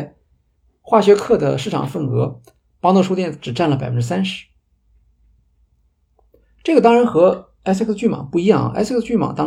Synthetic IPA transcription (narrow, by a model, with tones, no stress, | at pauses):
xwa˥˩ɕɥɛ˧˥kʰɤ˥˩d̪ə̰˩ʂɻ̩˥˩ʈ͡ʂʰɑ̰˨˩ŋfə˥˩nkɤ˧˥ | pɑ˥ŋt̪o˥˧ʂu˥t̪jɛ˥˩nʈ͡ʂɻ̩˨˩ʈ͡ʂa˥˩nlə˩pa˨˩ɪfə˦n˥ʈ͡ʂɻ̩˥sa˥nʂɻ̩˧˥ | ʈ͡ʂɤ˥˩ɡə˩t̪ɑ˥ŋɻa˧˥nxɤ˧˥ | a˥skst͡ɕy˥˩mɑ̰˨˩˦pu˥˩i˧˥jɑ˥˩ŋ̰˩ʔsst͡ɕy˥˩mɑ̰˨˩t̪ɑ˥